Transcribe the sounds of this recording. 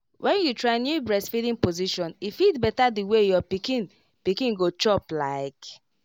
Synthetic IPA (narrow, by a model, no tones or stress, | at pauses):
wʔɛ̃njutɹanjubɹɛsfidĩŋpoziʃɔ̃nifidbɛtadiwejɔpikin | pikĩnɡot͡ʃɔplaɪk